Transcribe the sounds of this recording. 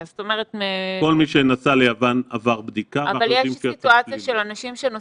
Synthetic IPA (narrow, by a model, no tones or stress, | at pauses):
zot̪omeʁet̪meko̞lmiʃenasalejavanavaʁbd̪ikaɡaljɛʃimfit̪uat͡sjaʃelanaʃimʃeno